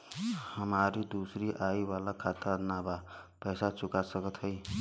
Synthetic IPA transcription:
hʌmaɾid̪usɾiʔajiwalakʰat̪anabapʌjsat͡sukasʌkʌt̪ʰʌj

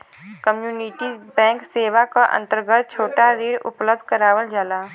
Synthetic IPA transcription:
kəmjuːnɪʈibɛ̃ːŋkseːʋakaʔə̰̃nt̪əɾɡət̪̚t͡ʃʰoːʈaɾiːɽʊ̰pləb̚d̪̚ʱkəɾaːʋəld͡ʒaːlaː

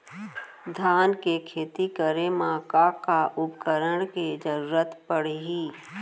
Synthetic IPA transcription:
d̪ʱaːnkekʰeːt̪ikəɾemãːkakaʔʊpkəɾəɽked͡ʒəɾuːɾət̪pəɽ̤ɦiː

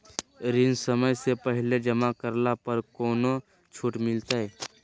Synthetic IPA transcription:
ɾɪnsəməjsepəɦɪled͡ʒəmakəɾlapəɾkɔːno | t͡ʃʰuʈmɪlt̪aɦɛ

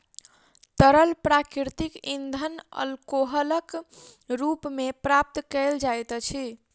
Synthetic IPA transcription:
t̪əɾəlpɾakiɾt̪ikind̪ʱənə̰lkoɦələkɾupmepɾap̚t̪kəld͡ʒajt̪t͡ʃʰi

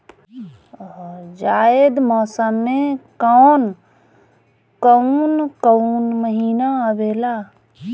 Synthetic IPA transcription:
d͡ʒaːed̪mɔːsəmːẽkɔn | kəunkəunməɦiːnaəbeːla

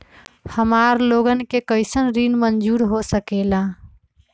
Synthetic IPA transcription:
həmaɾloɡənkekəɪsənɾinmənd͡ʒuɾɦosəkela

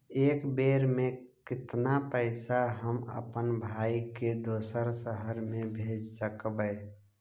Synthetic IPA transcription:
eːkbeːɾmẽ | kɪt̪napəɪsaɦəmə̰pənbʱaːiked̪oːsəɾsəɦəɾmẽbʱeːd͡ʒsəkbəː

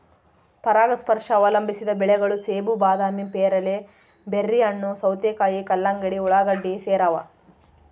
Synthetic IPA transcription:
pɐɾaːɡɐspɐɾʂɐːʋɐlɐmbʱisid̪ɐbɛɭɛɡɐɭuseːbubaːd̪aːmimpeːɾɐle | berːiɐnːusɐwt̪ekaːjikɐlːaŋɡɐɽiuɭaːɡɐɖːiseːɾaːʋɐ̰

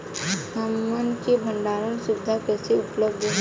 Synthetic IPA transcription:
həmːənkebʱə̃ɳɖaːɾənsʊbɪd̪ʱakɛːseʊpləb̚d̪ʱ

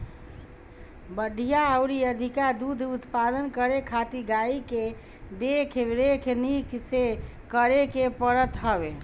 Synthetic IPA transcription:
bəɖʱijaəwɾiəd̪ʱikad̪ud̪ʱut̪pad̪ənkəɾekʰat̪iɡaike | d̪ekʰeɾekʰenikse | kəɾekepəɾət̪ɦəbe

